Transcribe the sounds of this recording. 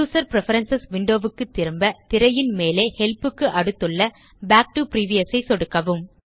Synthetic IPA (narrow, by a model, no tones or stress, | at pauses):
uːsɐɾpɪɾɛfɐɾɐnsɐsʋɪɳɖoːʋɯkːɯt̪ːɪɾɯmbɐt̪ɪɾɐjɪnmeːleːhɛlpɯkːɯʔɐɽɯt̪ːɯɭːɐ | baːk̚ʈɯpɪɾiːʋɪjɐsɐɪsɔɽɯkːɐʋɯm